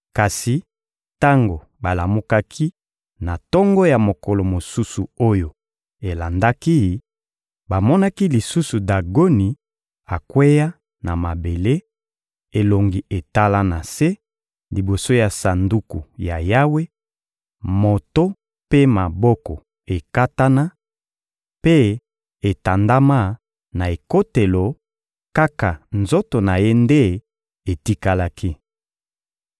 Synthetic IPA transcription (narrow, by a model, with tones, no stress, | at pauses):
ka˨si˨ | ta˦ŋɡo˨ | ba˨la˨mo˦ka˦kʰi˦ | na˨tɔ˦ŋɡɔ˦ja˨mo˨kɔ˨lo˨mo˨su˦su˨o˦jo˨ | e˨la˨nda˦ki˦˨ | ba˨mɔ˦na˦ki˦li˨su˦su˨da˨ɡo˦ni˨ | a˨kwe˦ja˦ | na˨ma˨be˨le˦ | e˨lo˨ŋɡi˨e˨ta˦la˦na˨se˦ | li˨bo˨so˦ja˨sa˨ndu˦ku˨ja˨ja˦we˦ | mo˨to˦ | pe˦ma˨bɔ˦kɔ˨ | e˨ka˦ta˦na˦ | pe˦ | e˨ta˨nda˦ma˦˨ | na˨e˨ko˦te˨lo˨ | ka˦ka˨nzo˦to˨na˨je˦nde˦ | e˨ti˦ka˦la˦ki˦